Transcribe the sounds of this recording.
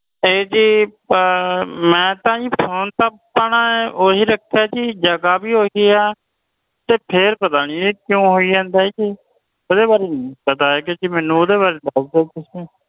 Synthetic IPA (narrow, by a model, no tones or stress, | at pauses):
eːd͡ʒiː | mɛ̃ːt̪ãːĩːpʰoːnt̪aːpːaːɳaːʔoːɦiːɾəkʰaːd͡ʒiːd͡ʒəɡaːbiːɦoːɡiaː | t̪eːpʰɪɾpət̪aːniːeːkjõːɦoːiːd͡ʒãːnd̪aːeːki | oːd̪eːbaːɾeːnĩpət̪aːeːked͡ʒimɛ̃ːnũːoːd̪eːβaːɾeːd̪əsd̪eːkɪsẽː